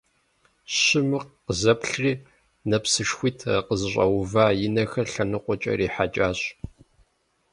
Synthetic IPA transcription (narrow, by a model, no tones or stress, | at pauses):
ɕɪmɨqqəzɐpɬriː | nɐpsɨʂxʷiːtʰɐqəzɨɕʷʼɐ̰wvaːjɪnɐxɐɬɐnɨqʷʊt͡ʃʼɐ̰riːħat͡ʃʼaːɕ